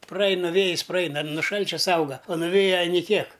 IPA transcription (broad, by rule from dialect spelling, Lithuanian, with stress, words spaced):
prɐˈɐɪnɐ ˈʋʲeːjɪs prɐˈɐɪnɐ nʊ ˈʃɐlʲt͡ʃʲɛ ˈsɐʊɡɐ oː nʊˈʋʲeːjɛ ˈɑːnʲɪ ˈkʲiɛk